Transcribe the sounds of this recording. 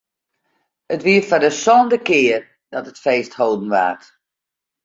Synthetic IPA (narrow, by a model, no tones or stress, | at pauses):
ətʋiːəfadəsɔndəkɪːər | d̥ɔtətfeːsthoːdən̩ʋa̰ːt